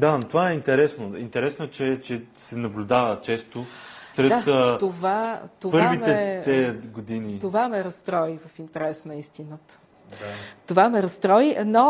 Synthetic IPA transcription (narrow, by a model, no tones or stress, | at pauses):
d̪at̪ovaɛint̪ɛɾɛsnoint̪ɛɾɛsnoɛt͡ʃɛt͡ʃɛsɛnɐblʲud̪avət͡ʃɛst̪osɾɛd̪at̪ovat̪ovpɤɾavitmɛɛt̪ɛɡod̪init̪ovamɛɾɐst̪ɾɔivəfint̪ɛɾɛsnɐist̪inət̪ə̥ | t̪ovamɛɾɐst̪ɾɔjino